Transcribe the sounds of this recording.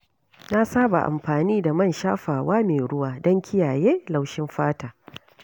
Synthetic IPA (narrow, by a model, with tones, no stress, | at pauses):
na˦saː˦ba̰˨ʔa̰˨mɸaː˨niː˦da˨mɐ˦˨nʃaː˦ɸaː˨waː˦meː˨ɽʊ˦waː˨dɔ˦ŋkʲɪ˦jaː˨jeː˦la˨wʃɪ˦mɸaː˦taː˨